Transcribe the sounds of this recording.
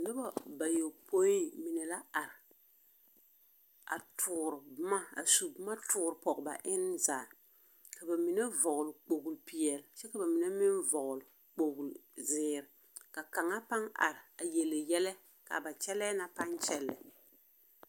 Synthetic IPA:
nɪ˦ba˦ba˨jo˨pʰo˦i˦mɪ˨nɛ˨la˦a˨ɾɪ˨ | a̰˨tʰʊː˨ɾɪ˨bma˦a̰˨su˨bʊ˦ma˦tʰʊː˦ɾpɔ˨kba̰˨ʔɪ˦nzaː˨ | ka˨ba˨mɪ˨nɛ˦vɔ˨ɣʊ˨lk͡po˨ɡu˨lpi˨ɛ˨lt͡ʃɛ˦ka˨ba˨mɪ˨nɛ˦mɪ˦nvɔ˨ɣʊ˨l | k͡po˨ɡu˨lzɪː˦ɾɪ˨ | ka˨ka˨ŋa˦pa˦ŋa̰˨ɾɪ˨a˨jɛ˨lɪ˨jɛ˦lɛ˦ | ka̰˨ba˨t͡ʃɛ˦lɛː˦na˨pa˦nt͡ʃɛ˦lːɛ̰˨

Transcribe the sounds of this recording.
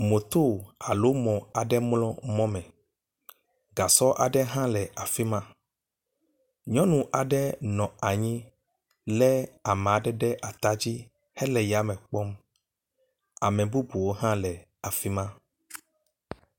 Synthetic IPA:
mo˨t̪o˦a˨lo˦mɔ̃˨a˨ɖɛ˦mlɔ̃˦mɔ̃˦mɛ̃˨ | ɡa˨sɔ˦ʔa˨ɖɛ˦ɦã˦lɛ˨ʔa˨fi˦mã˦ | ɲɔ̃˦nũ˨ʔa˨ɖɛ˦nɔ̃˨a˨ɲĩ˦ | lɛ˦a˨mɛ˨a˨ɖɛ˦ɖɛ˦ʔa˨t̪a˦d͡ʑi˦ | hɛ˦lɛ˨ja˨mɛ̃˨k͡pɔ˦m | a˨mɛ̃˨bu˦bu˨wo˦ɦã˦lɛ˨ | a˨fi˦mã˦

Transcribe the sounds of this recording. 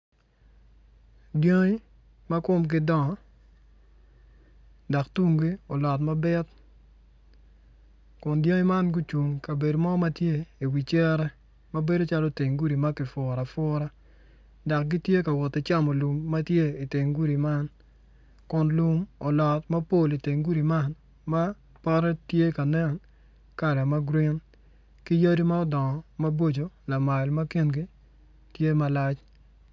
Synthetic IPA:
djo˦ŋi˦ | ma˦kʊ˦mk̬ɪ˦dɔ˦ŋɔ˨˦ | da˨ktu˦ŋɡi˦ɔ˨lɔ˨tma˦bɛ˦t | kʊ˨ndjo˦ŋi˦ma˦nɡu˦t͡ʃu˨ŋka˨be˨do˨mɔ˦ma˦tje˦i˨wi˨t͡ʃɛ˦ɾɛ˦ | ma˦be˦do˦t͡ʃa˦lɔ˦te˨ŋɡu˦ɾi˨ma˦kɪ˨fʊ˨ɾa˨fʊ˦ɾa˦ | dɔ˨k̚ɡi˦tje˦ka˨wɔ˨ti˨t͡ʃa˦mɔ˨lu˨mːa˦tje˦i˨te˨ŋɡu˦ɾi˨ma˦n | kʊ˨nlu˦mɔ˨lɔ˨tma˦po˦˨li˨te˨ŋɡu˦ɾi˨ma˦n | ma˦ | pɔ˦ɾɛ˦tje˦ka˨nɛ˦˨n | ka˨ɾɛ˨ma˦ɡɾi˦n | ki˦ja˦di˦ma˦ɔ˦dɔ˨ŋɔ˨ma˦bo˦d͡ʒo˨la˨ma˨lma˦ki˦nɡi˦ | tje˦ma˦la˦t͡ʃ

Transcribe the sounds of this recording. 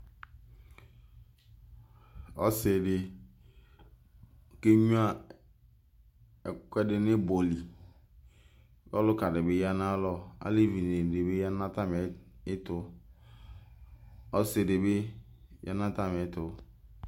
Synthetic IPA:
ɔ̰˦se˨dɪ˨ | ke˦ɲu˦a˦ | ɛ˨kʷɛ˦dɪ˨nɪ˦bo˨li˨ | bɔ˦lʊ˦ka˨dɪ˨bɪ˦ja˦na˦lɔ˦a̰˦le˦vi˨ne˨dɪ˨be˦ja˦na˦ta˦me˨ɪ˦tʊ˨˦ | ɔ˦se˨dɪ˨bɪ˦ | ja̰˦nã˦ta˦me˨˦tʊ˨

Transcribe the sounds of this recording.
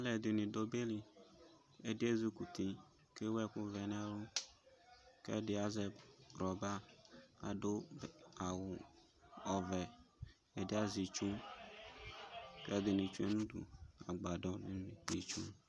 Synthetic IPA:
a˦lɛ˨d̪ɪ˨nɪ̃˨do˦be˦li˨ | e˦dɪ˦e˦zu˦ku˨t̪i˨ | ke˦wɛ˦kʊ˦vɛ˨nɛ̃˦lʊ˦ | kɛ̰˦dɪ˦a˨zɛ˨ɾɔ˨ba˦a˨do˦˨a˨wʊ˨ | ɔ˨vɛ˨ | e˨dɪ˦a˦zi˨t͡ʃu˦ | kɛ˦d̪ɪ˨nɪ̃˨t͡ʃu˦e˦nũ˦dṵ˨a̰˨ɡ͡ba˨dɔ˦nɪ˦ñ˦ni˨ti˨t͡ʃṵ˦

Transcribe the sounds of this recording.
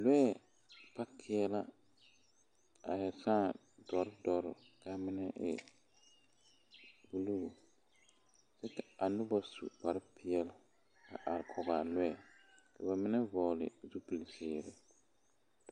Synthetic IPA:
lwɛ˦˨ | pa˦kʰɪ˦ɛ˦la˦ | a˨jɛ˨sãː˦ | dɔ˨ɾdɔ˨ɾɪ̰˨ka˦mɪ˦nɛ˦ʔɪ̰˨ | bu˦lu˦ɣo˨ | sɛ˦ka˨a˨nʊ˦bɔ˦sṵ˨pa˨ɾɪ˦pʰɪ˦ɛ˦lʊ˨ | ka̰˨ʔa˨ɾɪ˨kʰɔ˨ɡa˨lwɛ˦˨ka˨ba˨mɪ˦nɛ˦vɔː˨lɪ̰˨zu˦pi˨lsɪː˨ɾɪ˨

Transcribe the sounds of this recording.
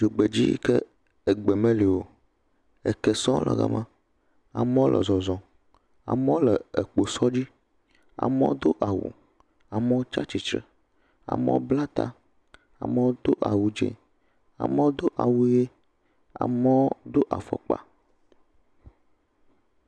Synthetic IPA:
d͡ʒo˨ɡ͡be˨d͡ʑi˦ke˦ | e˨ɡ͡be˨mẽ˦li˨wo˨ | e˨ke˦sɔ̃˦lə̰˨ɣa̰˨˦mã˦ | a˨m˦wo˦lʔə̰˨zɔ˨zɔ̃˨ | a̰˨me˦o˦lɛ˨e˨k͡po˨sɔ˦d͡ʑi˦ | a̰˨mḛ˦wo˦d̪o˦ʔa˨wṵ˨ | a˨me˦wo˦t͡ʃa˦t͡ɕi˨t͡ʃɾɛ˨ | a̰˨mḛ˦o̰˦bla˦t̪a˦ | a̰˨me˦wo˦d̪o˦ʔa˨wu˦d͡ʒḛ˨ | a̰˨me˦wo˦d̪o˦ʔa˨wu˦je˦ | a̰˨me˦wo˦d̪o˦ʔa˨fɔ̰˨k͡pa̰˨

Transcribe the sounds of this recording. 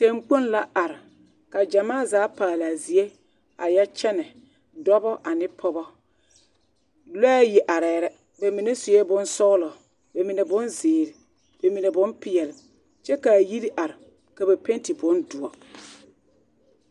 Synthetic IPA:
te˦ŋ͡mk͡po˦nla˦ʔa˨ɾɪ˨ | ka˨d͡ʒa˨maː˦˨zaː˨˦paː˨la˨zi˨e˦ | a̰˨ja˦t͡ʃɛ˦nɛ˨ | dɔ˦bɔ˦ʔa˨nɪ˦pʰɔ˦bɔ˦ | lɛ˦jɪ˨ʔa˨ɾɛː˨ɾɛ˦ | be˨mi˨ne˦sʊ˨jɛ˦bʊ˦nsɔ˦lɔ˨ | be˨mi˨ne˨bʊ˦nzɪː˨ɾɪ˨ | b̥e˨mi˨ne˨bʊ̃˦npɪ˨jɛ˨lɪ˨ | t͡ʃɛ˦ka˨ji˦ɾi˦ʔa˨ɾɪ˨ | ka˨bɛ˨pe˦n˦ti˨bʊ˨˦ndʊ˨ɔ˨

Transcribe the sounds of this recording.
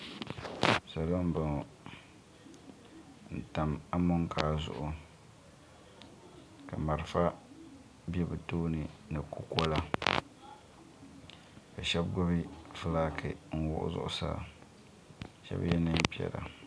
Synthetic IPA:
sa˨lo˦m̩˦bɨ˨ŋ˨ | n̩˨ta˨ma˦mʊ˦ŋkʰaː˦zʊ̰˨ʔʊ˨ | ka˨ma˨ɾfa˦ | bɛ˦bɨ˨toː˦nɨ˨nɨ˨ku˦kɔ˦la˦ | ka˨ʃɛ˦bɡɔ˦bi˦fɨ˦laː˦kʰɨ˨ŋ̩˨wʊ̰˦ʔʊ̰˦zʊ̰˨ʔʊ˨sa̰ː˦ | ʃɛ̰˦bjɛ˦nɨ˦m˦pi˦ɛ̰˨ɾa̰˨

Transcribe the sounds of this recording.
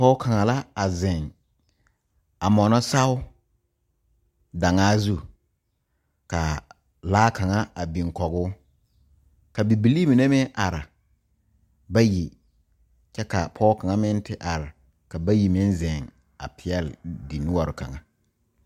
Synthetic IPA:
pɔː˦kʰa˨ŋa˨la˦a˨zɪ˨ŋ | a˨mɔ˨nɔ˦sa˦ʊ˦ | da˨ŋaː˦zu˦˨ | ka˨ | laː˦ka˨ŋa˦a˨bi˨ŋ˨kɔ˨ɡʊː˦ | ka˨bi˨bi˨liː˦mi˨ne˦mɪ˦ʔa˨ɾɪ˨ | ba˦ji˨ | t͡ʃɛ˦ka˨pʰɔː˦ka˨ŋa˦mɪ˦ntʰɪ˦ʔa˨ɾɪ˨ | ka˨ba˦ji˨mɪ˦nzɪ˨ŋ | a̰˨pʰɪ˨jɛ˦ldi˨nʊ˦wɔ˨ɾʊ˨ka̰˨ŋa˨

